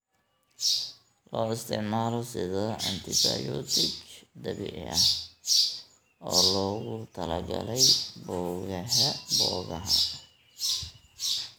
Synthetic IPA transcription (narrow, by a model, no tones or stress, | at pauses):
lɔːɪst̪ʰɪʕmaːlɔsɪðɔʔɐnt̪ʰɪsɐjɔt̪ʰɪkd̪ɐβḭʕɐ | ʔɔːlɔːɣʊt̪ʰɐlɐɡɐlɛjbɔːɣɐɦɐbɔːɣɐɦɐ